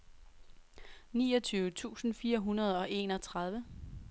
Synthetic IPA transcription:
niːɒt͡sʰyːʊət͡sʰṵːsn̩fiːɐɦunɐð̞̩ˠɒ̽ʔe̝nɒ̽t͡sʰʁɑð̞ˠʋə

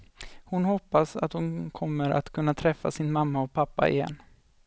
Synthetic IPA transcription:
hʊnhɔpːasa̰t̪hʊnkʰɔmːəɾʔa̰t̪kʰɵnːat̪ʰɾɛfːa̰sɪnmamːaɔpʰapːa̰ɪ̰jɛ̰nː

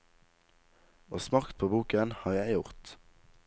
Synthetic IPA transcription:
oːsmɑkt̪̚pʰoːbuːkənhɑːʁjæɪjʊʁt̪

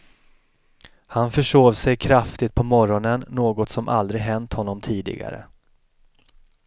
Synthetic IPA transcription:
hanfœʂoːvsɛjkʰɾaft̪ɪt̪̚pʰɔmɔɾɔnənːoːɡɔt̪sɔmʔa̰ld̪ɾɪɦɛnt̪hɔnːɔmt̪ʰiːd̪ɪ̰ɡa̰ɾə̰

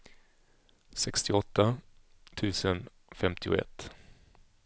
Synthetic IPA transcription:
sɛkst̪ʰɪɔt̪ːat̪ʰʉ̟ːsən | fɛmt̪ʰɪʊ̰ɛ̰t̪ː

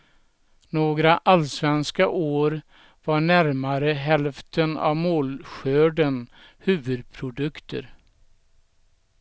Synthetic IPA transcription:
noːɡɾaʔalsvɛnskaʔoːɾ | vaɳæɾmaɾəɦɛlft̪ʰəna̰vmoːlɧøːɖən | hʉ̟ːvɵd̪̚pʰɾʊd̪ɵkt̪ʰə̰ɾ

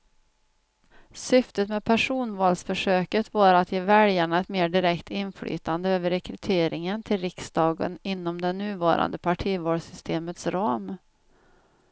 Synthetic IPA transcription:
sʏft̪ət̪mɛd̪pʰæʂuːnvɑːlsfœʂøːkət̪vɑːɾat̪ʰjeːvɛljaɳaɛt̪meːɖɪɾɛkt̪ɪnfly̰ːt̪and̪əøːvəɾɛkʰɾɵt̪ʰeːɾɪŋənt̪ʰɪlɾɪksd̪ɑːɡə̰nɪnːɔmd̪ɛnːʉ̟ːvɑːɾa̰nd̪əpʰaʈʰiːvoːlsʏst̪ʰeːmət̪sɾɑːm

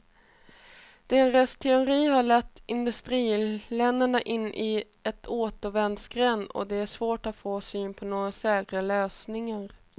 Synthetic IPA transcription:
d̪̥ɛnɾɛst̪ʰɛʊɾiːɦaɭɛt̪ːɪnd̪ɵst̪ɾiːlɛnd̪əɳaʔɪnːʔɪ | ɛt̪ʰoːt̪ɔvɛnd̪skɾɛnːɔ̰d̪ɛæʂvoːʈat̪foːsyːnpʰɔnoːɡasɛːkɾaløːsnɪŋaɾ

